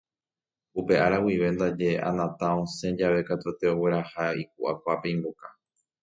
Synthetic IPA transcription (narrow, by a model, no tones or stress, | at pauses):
upe̞ʔaɾawiʋe̞nd̪ad͡ʒe̞ʔa̰nãt̪ãõsẽ̞d͡ʒaʋe̞kat̪ut̪e̞o̞we̞ɾahaik̚uʔakʷape̞ĩmboka